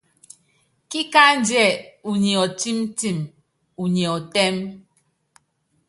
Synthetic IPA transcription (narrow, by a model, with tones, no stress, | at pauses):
ki˦ka˦n̩˦djɛ˦˨u˨ɲi˨ɔ˨ti˦m˦ti˦˨m | u˨ɲɛ˨ɔ˨tɛ˦m